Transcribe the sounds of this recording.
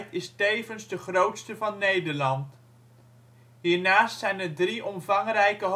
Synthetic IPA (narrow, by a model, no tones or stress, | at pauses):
tɪstejvənzdəχrowtstəvɑnːejdəɹlɑnt | ɦiːɹnaːstsɛjnədriʔɔmvɑŋrɛjkəɦ